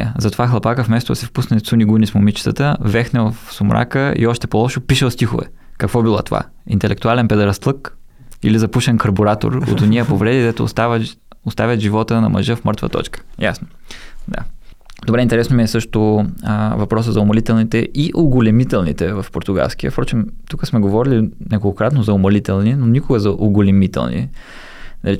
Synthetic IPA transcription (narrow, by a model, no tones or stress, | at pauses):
ə̰zɐt̪ovaxlˠɐpakəfmɛst̪od̪ɐ̰sɛfpusnɛt̪suniɡunismʊmit͡ʃi̥t̪ət̪əvɛxnɛvəfsʊmɾʔa̰kəḭɔʃt̪ɛpolˠɔʃʊpiʃəlˠst̪ixʊ̰vɛ̰ | kɐkvɔbilˠat̪ova̰ | ḭnt̪ɛlʔɛk̚t̪ualɛnpɛd̪ɾɐst̪lˠɤk | ḭlizɐpuʃɛnkɐɾboɾat̪o̰ɾo̰t̪ʊnijəpovɾɛd̪id̪ɛt̪ʊ̰st̪av | ʊst̪avʲjət̪ʒivɔt̪ənɐ̰mɐ̰ʒɤfmɤɾt̪və̰t̪ɔ̰t͡ʃkə̥ja̰sno | d̪a̰d̪̥obɾɛint̪ɛɾɛsnomiɛsɤʃt̪o | vɐpɾɔs̬əzɐʊmɐlit̪ɛlˠnit̪ɛʔiʔoɡʊlʲɛmit̪ɛlˠnḭt̪ɛvɐfpoɾt̪ʊɡa̰lˠsk̟iə̰fpɾɔt͡ʃimt̪ukəsmɛɡovɔɾilinɛɡoɡokɾat̪nozɐʊmɐlit̪ɛlˠninonʲikʊɡəzɐʔʊɡʊlʲɛmit̪ɛ̰lˠnḭ | nɐli